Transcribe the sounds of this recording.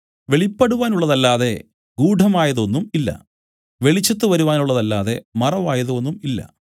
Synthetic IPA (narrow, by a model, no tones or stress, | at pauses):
ʋeɭipːɐɽuʋaːnuɭːɐðɐlːaːðe̞ | ɡuːɖʱɐmaːjɐðo̞nːumilːɐ̰ | ʋe̞ɭit͡ɕːɐt̪ːɨʋɐɾuʋaːnuɭːɐðɐlːaːðe̞̰mɐrɐʋaːjɐðuo̞nːumilːɐ̰